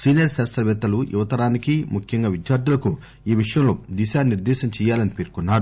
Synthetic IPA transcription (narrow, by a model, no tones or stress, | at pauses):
siːnjɐɾsɛːstɐʋɛːt̪ːɐluḭʋɐt̪ɐɾaːnikimukʰjɐŋɡaːʋid̪jaːɾd̪ulɐku | iːʋiʂɐjɐmlo̞ːd̪iʃaːniɾd̪ɛːʃɐmt͡ʃɛːjaːlɐnipeːɾkunːaːɾu